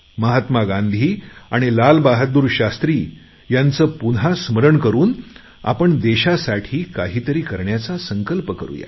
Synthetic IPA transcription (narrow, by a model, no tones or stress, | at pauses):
məɦat̪maɡãnd̪ʱiːaɽ̃ilalbaɦat̪̚d̪uːɾɕast̪ɾiː | jant͡səːpunasməɾəɳkəɾuːn | a̰pəɳd̪eɕasaʈʰiːkaɦiːt̪əɾiːkəɾɳjat͡sasəŋkəlpəkəɾṵːja̰